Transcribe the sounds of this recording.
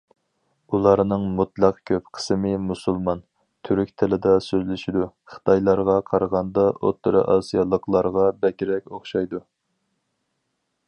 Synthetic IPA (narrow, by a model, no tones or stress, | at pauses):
ulˠɑɾnɨŋmut̪ʰlˠɑqkʲʰøpqʰə̥smɨmusulˠmɑn | t̪ʰyɾykʲt̪ʰɪlɪd̪ɑsøzlɪʃid̪uχə̥t̪ʰɑjlˠɑɾʁɑqʰɑɾəʁɑnd̪ɑo̰t̪ːɨɾɨ̰ʔɑsijɑlˠəqlˠɑɾʁɑbɛkʲiɾɛkʲoχʃɑjd̪u